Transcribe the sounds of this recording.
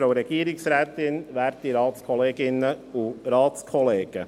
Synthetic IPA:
oʊɾɛɡiːɾɪksɾæːt̪ɪnʋæːɾt̪iɾɑːt̪skʰɔleːɡɪnəʊɾɑːt̪skʰɔleːɡ̥ə

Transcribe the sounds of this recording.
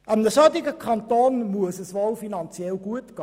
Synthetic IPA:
ɑmdəsœdɪɡəkʰɑntoːnmuəsəsʋolfinɑnt͡sjɛlɡ̥uətkɑ

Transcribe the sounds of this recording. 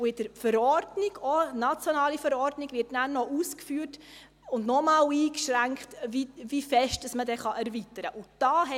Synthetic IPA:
ʊɪd̥əɾfəɾɔrdnɪɡ̥ɔnɑt͡sjɔnɑːlifəɾɔɾdniɡ̥vɪɾtnæɾnɔʔuːskfyːrt | ʊndnɔmɑːliːkʃɾæŋkχtvivifɛʃtd̥ɑsmədɛχɑʔɛɾvitəɾəʔʊd̥ɑːɦɛ

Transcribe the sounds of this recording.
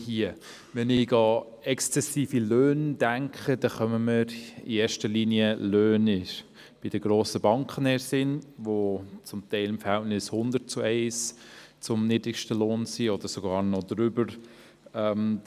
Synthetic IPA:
hiə | ʋɛnɪɡɑ | ɛkst͡sɛsiːfiløːnd̥æŋkχəd̥ɛχœməməɾḭeːɾʃtəɾliniəløːnɪ | b̥ɪd̥əɡɾoːsəbɑŋkχənɛɾsɪnʋot͡sʊmtɛɪlɪmfəɾhɛltnɪshʊnd̪ət͡suɛɪst͡sʊmnidɾɪkʃtəloːnsiɔd̥̪əɾsɔɡɑːɾnɔd̪ɾʏbəɾ | ɛm

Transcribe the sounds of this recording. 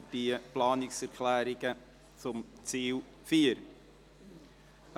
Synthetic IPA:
biəplɑːnɪksɛɾkʰlɛːɾɪɡə | t͡sʊmt͡siːl | fiːəɾ

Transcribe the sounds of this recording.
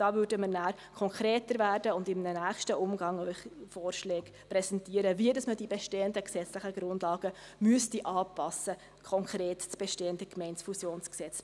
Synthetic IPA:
d̥ɑːvʏɾdəməɾnæːɾ | kʰɔŋkɾeːtəɾvæːrdəʊndɪmnənæːχʃtəʔʊmɡɑŋœʏχfɔːɾʃlɛːk | prɛsɛntiːəɾəviədɑsmədibɛʃteːəndəksɛt͡slɪχəɡɾʊndlɑːɡ̥ə | myəstiʔɑːpɑsə | kʰɔŋkʰreːtt͡sb̥eʃteːəndəkmɛɪnsfusjoːnsksɛt͡s

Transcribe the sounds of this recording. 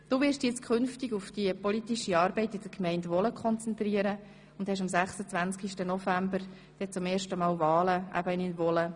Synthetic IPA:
d̥uːʋɪɾʃdjɛt͡skʰχʏnftɪɡʊfd̥iəpɔlitiʃiɑːɾbɛɪtɪd̥əɾkmɛɪndʋɔləkχɔnt͡sɛnt̪riːəɾə | ʊnd̥hɛʃ̬ɑmsæχsət͡sʋænskiʃtənɔfæmbəɾ | d̥ɛt͡sʊmeːɾʃtəmɑːlvɑːləʔæ̰b̥əɪninvɔlə

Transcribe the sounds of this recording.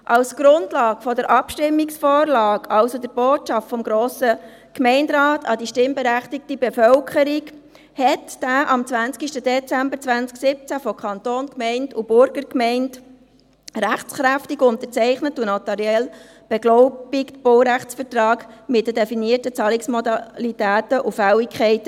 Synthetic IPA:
ʔɑlsɡ̥ɾʊndlɑːkfɔdəɾʔɑpʃtɪmːiksfɔːɾlɑːkɑlsodəɾboːtt͡ʃɑftfɔmɡɾoːsə | kmɛɪndɾɑːtʰɑdiʃtɪmbɛɾæχtik̚tibɛfœlkχəɾik | hɛtd̥æːʔɑmt͡svænt͡skiʃtədɛt͡sæmbəɾt͡sʋænt͡sksɪp̚t͡sæfɔkχɑnt̪oːnkmɛɪndub̥ʊɾɡ̥əɾkmɛɪnd | ɾæχtt͡sχɾæftiɡʊntəɾt͡sɛɪχnətunɔtɛɾjɛl | b̥ɛɡlɔʊb̥iktb̥olɾæχt͡sfətɾɑːɡmɪt̚d̥ədɛfiniətət͡sɑːliksmɔdɑlitæːtəʔufæwikʰχɛɪt

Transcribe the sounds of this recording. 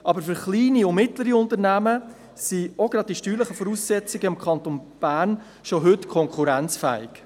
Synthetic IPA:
ʔɑbəɾfʏɾχliːniʊmɪtləɾiʊntəɾnæmə | sioɡ̥ɾɑd̥̚d̥iʃtyːləχəfɔɾuːsːɛt͡sɪɡəɪmkʰχɑnt̪onb̥æːɾn | ʃoɦɵtkʰɔŋkʰuɾænt͡sfæ̰ːɪk

